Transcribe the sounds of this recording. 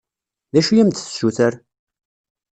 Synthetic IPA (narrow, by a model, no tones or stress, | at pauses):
ðæʃujæmt̪θsuθəɾ